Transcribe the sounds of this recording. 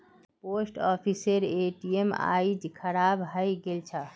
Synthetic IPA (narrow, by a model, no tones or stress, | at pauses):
posʈɔpʰiseɾeʈiema̰id͡ʒkʰəɾabɦəjɡelt͡ʃʰə